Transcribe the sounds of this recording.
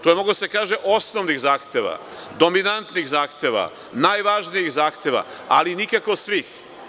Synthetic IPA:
t̪ojemoɡud̪asekaːʒeʔo̞snoʋniɣzaːxt̪eʋa̰d̪o̞minant̪niɣzaːxt̪e̞ʋa̰ | naːjʋaːʒnijiɣzaːxt̪e̞ʋa̰alinikakosʋix

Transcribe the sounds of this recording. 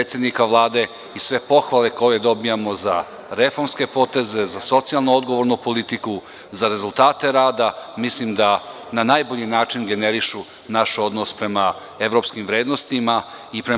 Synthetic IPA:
et̪sjed̪nikaʋlˠaːd̪e̞ | isʋe̞po̞xʋale̞ko̞je̞d̪o̞bijamo̞za | ɾe̞fo̞ɾmske̞po̞t̪e̞ze̞zaso̞t̪sijalˠnuo̞d̪ɡo̞ʋo̞ɾnupo̞lit̪iku | zaɾe̞zulˠt̪aːt̪e̞ɾaːd̪amislimd̪a | nanajbo̞ʎinaːt͡ʃinɡe̞neɾiʃu | naʃo̞d̪no̞spɾe̞ma | e̞ʋɾo̞pskimʋɾe̞ːd̪nost̪ima | ipɾe

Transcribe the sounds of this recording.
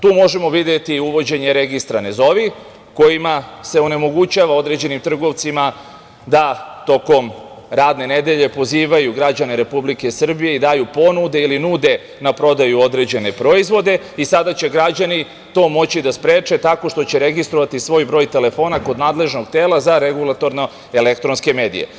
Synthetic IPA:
t̪uːmo̞ʒe̞mo̞ʋid̪jet̪iuʋo̞d͡ʑe̞ɲe̞ɾeɡist̪ɾane̞zo̞ʋi | ko̞jimase̞one̞mo̞ɡut͡ɕaʋao̞d̪ɾe̞d͡ʑe̞nimt̪r̩ɡo̞ʋt̪sima | d̪at̪o̞ko̞m | ɾaːd̪ne̞ne̞d̪e̞ʎe̞po̞ziːʋajuɡɾad͡ʑaneɾe̞publike̞sr̩bije̞id̪aːjupo̞nud̪e̞ilinuːd̪e̞ | napɾo̞d̪ajuo̞d̪ɾe̞d͡ʑe̞ne̞pɾo̞izʋo̞d̪e̞ | isad̪at͡ɕe̞ɡɾad͡ʑani | t̪o̞ːmo̞t͡ɕid̪aspɾeːt͡ʂe̞t̪ako̞ʂt̪o̞t͡ɕe̞ɾe̞ɡist̪ɾoʋat̪isʋo̞jbɾo̞ːjt̪e̞le̞fo̞nako̞d̪naːd̪le̞ʒno̞ɡt̪eːlˠazaɾe̞ɡulˠat̪o̞ɾno̞ | elekt̪ɾo̞nske̞me̞ːd̪ḭje̞̰

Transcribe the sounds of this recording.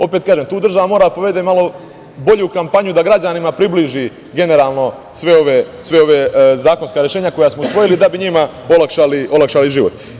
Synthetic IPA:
o̞pet̪̚kaːʒemt̪uːd̪r̩ʒaʋamo̞ːɾad̪poʋe̞d̪emalo̞ | bo̞ʎukampaɲud̪aɡɾad͡ʑanimapɾibliʒi | ɡe̞ne̞ɾaːlˠno̞ | sʋe̞o̞ʋesʋe̞o̞ʋezaːko̞nskaɾjeʃeːɲako̞jasmousʋo̞jilid̪abiɲima | o̞lakʃaliʔo̞lˠakʃaliʒiːʋot̪

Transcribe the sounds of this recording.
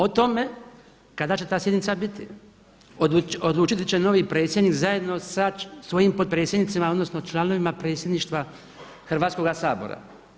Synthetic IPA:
ot̪o̞me | kad̪at͡ʃe̞t̪aːsjed̪nit̪sabit̪i | ood̪lˠuːt͡ʃit̪it͡ɕeno̞ʋipɾe̞ːt̪sʲjed̪niːkzaje̞d̪no̞sasʋo̞jiːmpo̞d̪̚pɾe̞ːt̪sje̞d̪nit̪simao̞d̪no̞snot͡ʃlˠano̞ʋimapɾe̞ːt̪sʲje̞d̪niːʃt̪ʋa | xɾrʋaːt̪sko̞ɡasaːbo̞̰ɾa̰

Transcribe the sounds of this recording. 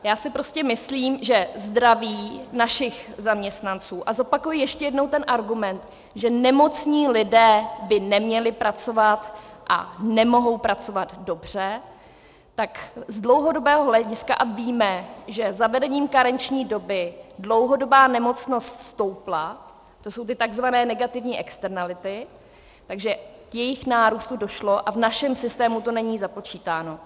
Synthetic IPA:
jaːsɪpɾo̞scɛmɪsliːmʒɛzd̪ɾaviːnaʃɪxzamɲɛst̪nant͡suːʔazo̞pakujɪjɛʃcɛjɛdno̞wt̪ɛnʔaɾɡumɛnt̪ | ʒɛnɛmo̞t͡sɲiːlɪdɛːbɪnɛmɲɛlɪpɾʔat͡so̞vat̪ʔa̰nɛmo̞ɦo̞wpɾat͡so̞vad̪do̞br̝̥ɛ | t̪akzdlo̞wɦo̞do̞bɛːɦoɦlɛɟɪskaʔaviːmɛʒɛzavɛdɛɲiːmkaɾɛnt͡ʃɲiːdo̞bɪdlo̞wɦo̞do̞baːnɛmo̞t͡sno̞st̪st̪o̞wpla | t̪o̞sowt̪ɪt̪aɡzvanɛːnɛɡat̪ɪvɲiːʔɛkst̪ɛɾnalɪt̪ɪ | t̪aɡʒɛkjɛjɪxnaːɾuːst̪udo̞ʃlo̞ʔavnaʃɛmsɪst̪ɛːmut̪o̞nɛɲiːzapo̞t͡ʃiːt̪aːno̞

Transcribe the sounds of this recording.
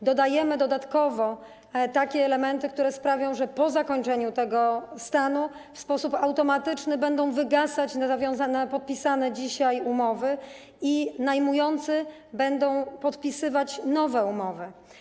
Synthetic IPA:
d̪ɔd̪ajɛmɘd̪ɔd̪at̪kɔvɔ | t̪akʲɛːlɛmɛnt̪ɘk̚t̪uɾɛspɾavʲjɔ̃w̃ʐɛpɔzakɔɲt͡ʂɛɲut̪ɛɡɔst̪anu | fspɔsupawt̪ɔmat̪ɘt͡ʂnɘbɛnd̪ɔ̃w̃vɘɡasat͡ɕnazavʲjɔ̃w̃zanapɔt̪̚pʲisanɛd͡ʑiɕajumɔvɘ | inajmujɔnt̪sɘ | bɛnd̪ɔ̃w̃pɔt̪pʲisɘvat͡ɕnɔvɛumɔvɘ

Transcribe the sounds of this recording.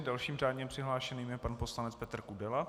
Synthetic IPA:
dalʃiːmraːdɲɛpr̝̥ɪɦlaːʃɛniːmjɛpanposlanɛt͡spɛt̪r̩kudɛla

